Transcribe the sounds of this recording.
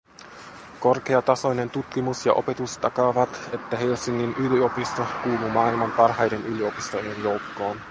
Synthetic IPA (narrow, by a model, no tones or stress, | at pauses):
ko̞rk̟e̞ɑt̪ɑso̞jne̞nt̪ut̪k̟imusjɑ̰ʔo̞̰pe̞t̪ust̪ɑkɑʋɑt̪e̞t̪ːæɦelsiŋːinʔylio̞pist̪okuːlumɑːilmɑmpɑrɦɑjde̞nʔylio̞pist̪o̞jenjo̞wkːo̞ːn